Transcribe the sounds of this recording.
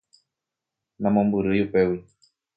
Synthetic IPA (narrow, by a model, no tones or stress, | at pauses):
nãmõmbuɾɨjupewi